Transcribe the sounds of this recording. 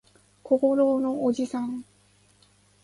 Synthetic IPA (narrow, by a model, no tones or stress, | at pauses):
koɡoɾonood͡ʑisʰaŋ